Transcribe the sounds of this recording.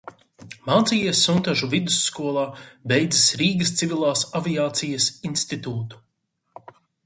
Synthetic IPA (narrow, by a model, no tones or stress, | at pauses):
maːt̪sijiɛsːunt̪aʒuvid̪usːkuɔlˠaːbejd̪zisɾiːɡɐst̪sivilˠaːsaviaːt̪sijɐsinst̪it̪uːt̪u̥